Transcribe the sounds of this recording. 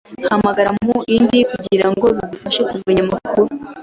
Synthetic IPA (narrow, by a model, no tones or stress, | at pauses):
hamaɡaɾamuindikuɟiɾaŋɡoβizufaʃekuvuɲamakʰuɾu